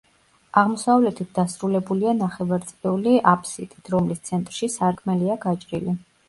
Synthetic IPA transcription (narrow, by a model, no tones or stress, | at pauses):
aʁmɔsavlɛt̪ʰit̪̚ʰd̪asɾulɛbulianaχɛvaɾt̪sʼɛuliʔapʰʼsit̪ʼit̪ʰɾɔmlist̪sʰɛnt̪ʼɾʃisaɾkʰmɛliaɡat͡ʃʼɾili